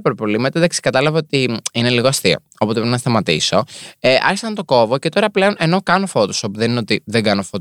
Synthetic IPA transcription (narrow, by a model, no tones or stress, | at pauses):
pɾpolimet̪ed̪ɐksi̥kɐt̪ɐlɐvɐot̪iine̞liɣoɐst̪io̰ | opot̪enɐst̪ɐmɐt̪ḭso̞eʔɐ̰ɾçisɐnt̪o̞ko̞voce̞t̪o̞ɾɐple̞o̞nʔe̞no̞kɐno̞fo̞t̪osopuðenineo̞t̪iðeɡɐno̞fot̪